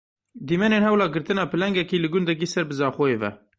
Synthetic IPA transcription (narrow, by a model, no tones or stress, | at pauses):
d̪iːmɛneːnhɛwlɑːɡɨɾt̪ɨnɑːpɨlɛŋɡɛkiːlɨɡʊnd̪ɛk̬iːsɛɾbɨzɑːxoeːvɛ̰